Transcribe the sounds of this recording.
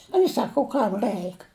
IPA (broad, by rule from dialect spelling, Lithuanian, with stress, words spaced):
ʊɪ ˈsɑːkʊ ʊ ˈkɐm ˈrɜɪk